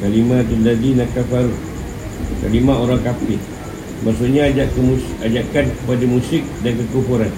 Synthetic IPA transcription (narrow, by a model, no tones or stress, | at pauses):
kalimãt̪undadinakafaɾu | ka̰limaoɾaŋkapɪ | maʔsuʔɲaːd͡ʒaʔkmuad͡ʒaʔkankə̥padamusɪk̚dankəkumpuɾan